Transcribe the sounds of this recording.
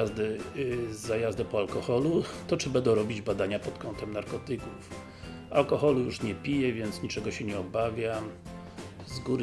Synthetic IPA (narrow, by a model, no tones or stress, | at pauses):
azd̪ɘzːajazd̪ɛpɔalkɔxɔlut̪ɔt͡ʂɘbɛnd̪ɔ̃w̃ɾɔbʲid͡ʑbad̪aɲapɔt̪kɔnt̪ɛmnaɾkɔt̪ɘkuf | a̰lkɔxɔlujuʂɲɛpʲijɛvʲjɛnt̪sɲit͡ʂɛɡɔɕɛɲɛɔbavʲjam | zɡuɾ